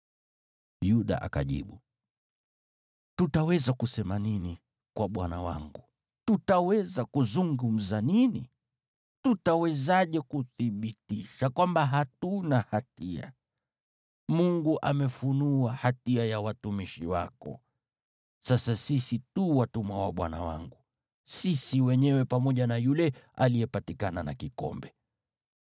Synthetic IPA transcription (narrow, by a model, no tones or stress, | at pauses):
juɗa̰ʔa̰ka̰ʄḭɓu | tutawɛzakusɛmanini | kwaɓwana̰wa̰ŋɡu | tutawɛzakuzuŋɡum̩zaninḭ | tutawɛzaʄɛkuθiɓitiʃakwambaɦatunahatia̰ | muŋɡuʔamɛfunuahatiajawatumiʃḭwa̰kɔ̰ | sasasisituwatumawa̰ɓwa̰na̰wa̰ŋɡu | sisiwɛɲɛwɛpamɔʄanajulɛalijɛpatikana̰na̰kikɔ̰mbɛ